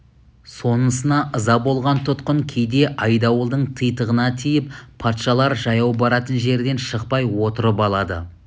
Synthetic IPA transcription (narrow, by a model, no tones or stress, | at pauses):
so̞nəsənɑʔəzɑbo̞lˠʁɑnt̪ʰʊt̪qəŋkʲʰejd̪e̞ʔɑjd̪ɑwəlˠd̪əɴt̪ʰəjt̪əʁənɑt̪ʰijɪppʰɑt̪ʃɑlˠɑɾʒɑjɑwbɑɾɑt̪ənʒe̞ɾd̪e̞nʃəq̚pɑjwo̞t̪əɾəpɑlˠɑd̪ə̰